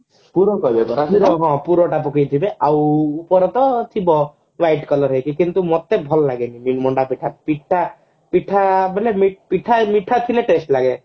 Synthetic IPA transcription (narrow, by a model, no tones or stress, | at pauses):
puɾɔkɔbekɔɾasuɾɔɦɔ̃puɾɔʈapukijt̪ʰibeʔawupɔɾɔt̪ɔt̪ʰibɔ | wajʈkɔlɔɾɦejkikint̪umot̪ebʱɔlɔlaɡeninimɔɳɖapiʈʰapiʈʰːa | piʈʰabʱɔlemipiʈʰamiʈʰat̪ʰileʈesʈlaɡe